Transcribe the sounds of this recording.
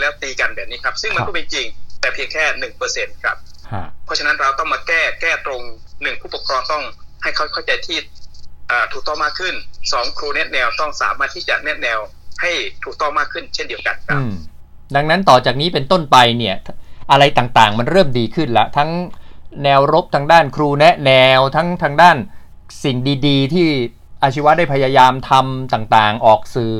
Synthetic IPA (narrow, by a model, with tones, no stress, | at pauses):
lɛː˦˥˩wt̪iː˧ka˧nbɛː˨˩p̚niː˦˥kʰa˦˥p̚sɯ˥˩ŋa˧˦kɔ˥˩ma˥˩t͡ɕi˧ŋt̪ɛː˨˩pʰi˧əŋkʰɛː˥˩nɯ˨˩ŋpɤː˧se˧nkʰɾa˦˥p̚kʰa˦˥˩pʰɔ˦˥t͡ɕʰa˧na˦˥nɾa˧wt̪ɔ˥˩ŋmaː˧kɛː˥˩kɛː˥˩t̪ɾo˧ŋnɯ˨˩ŋpʰuː˥˩pu˨˩kʰɾɔː˧ŋt̪ɔ˥˩ŋha˥˩jkʰa˥˩wkʰa˥˩wt͡ɕa˧jt̪ʰiː˥˩ʔaː˨˩t̪ʰu˨˩t̪ɔ˥˩maː˥˩kʰːɯ˥˩nsɔː˩˦ŋkʰɾuː˧ne˦˥t̪̚nɛː˧wt̪ɔ˥˩ŋsa̰ː˩˦maː˥˩t̪ʰːiː˥˩t͡ɕa˨˩ʔnɛ˦˥t̪̚nɛː˧w | ha˥˩jt̪ʰuː˨˩k̚t̪ɔ˥˩ŋmaː˥˩kʰːɯ˥˩nt͡ɕʰe˥˩ndi˧ə˧wka˧nkʰaɯː˦˥˧pm | da˧ŋna˦˥nt̪ɔː˨˩t͡ɕaː˨˩k̚niː˦˥pe˧nt̪o˥˩npa˧jni˥˩ɐʔa˧ɾa˧jt̪aː˨˩ŋt̪aː˨˩ŋma˧nɾɤː˥˩mdiː˧kʰɯ˥˩nla̰˦˥ʔt̪ʰa˦˥ŋnɛː˧wɾo˦˥p̚t̪ʰaː˧ŋdaː˥˩nkʰɾuː˧nɛ˦˥ʔnɛː˧wt̪ʰa˦˥ŋt̪ʰa˧ŋdaː˥˩n | si˨˩ŋdiː˧diː˧t̪ʰiː˥˩ | ʔaː˧t͡ɕʰi˦˥wa˦˥daː˥˩pʰa˧jaː˧jaː˧mt̪ʰa˧mt̪aː˨˩ŋt̪aː˨˩ŋʔɔː˨˩k̚sɯː˨˩